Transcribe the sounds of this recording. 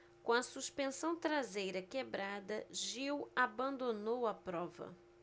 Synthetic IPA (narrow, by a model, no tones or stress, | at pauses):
kõɐsuʃpẽsɐ̃w̃t̪ɾazejɾɐkebɾad̪ɐʒiwabɐ̃nd̪onowɐpɾɔvɐ̰